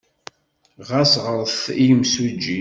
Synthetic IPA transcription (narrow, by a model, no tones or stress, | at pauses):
ʁæsʁəɾˤθijmsud͡ʒːi